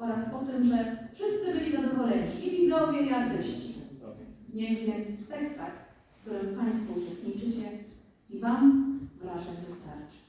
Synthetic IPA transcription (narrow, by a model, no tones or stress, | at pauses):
ɔɾaspɔt̪ɘmʐɛfʂɘst̪sɘbɘlʲizad̪ɔvɔlɛɲiʔivʲizɔ̃wvʲjeiaɾt̪ɘɕt͡ɕḭ | ɲɛjɛnspɛkt̪akː | t̪uɾɘmpaj̃st̪fɔut͡ʂɛst̪ɲit͡ʂɘt͡ɕɛ | ivamvɾaʐɛɣd̪ɔst̪a̰ɾt͡ʂɘ̥